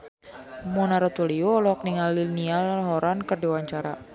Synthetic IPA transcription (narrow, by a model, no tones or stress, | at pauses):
munaɾɔt̪uliolɔɔk̚niŋalinialɦɔɾankɨrdiwaɲt͡ʃaɾa